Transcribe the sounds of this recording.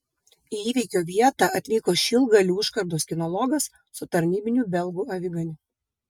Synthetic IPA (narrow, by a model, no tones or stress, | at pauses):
iiːʋʲiɪkʲoːʋʲiɛt̪ɑʔɐt̪ʲlʲiːkoːʃʲilˠɡɐlʲuːɪʃkɐɾd̪oːskʲɪnɔlˠɔɡɐsːʊt̪ɐɾʲnʲiːbʲɪnʲuːˑbʲɛlˠɡuːɐʋʲɪɡɐnʲʊ